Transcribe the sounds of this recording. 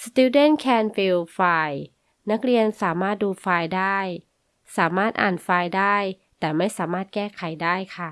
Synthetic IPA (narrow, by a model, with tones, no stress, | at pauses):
st̪u˧˥de˥˩nkʰɛː˧nfi˧wfaː˧j | na˦˥k̚ɾi˧ənsaː˨˩˦maː˥˩t̪̚duː˧faː˧jdaː˥˩j | saː˩˦maː˥˩t̪̚ʔaː˨˩nfaː˧jdaː˥˩j | t̪ɛː˨˩ma˥˩jsaː˩˦maː˥˩t̪̚kɛː˥˩kʰa˨˩˦jdaː˥˩jkʰa˥˩